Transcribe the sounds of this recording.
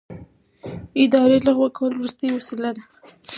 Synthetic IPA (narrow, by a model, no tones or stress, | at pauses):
ɪd̪ɑɾelaɣwakʰawəlowɾust̪əjwasilad̪a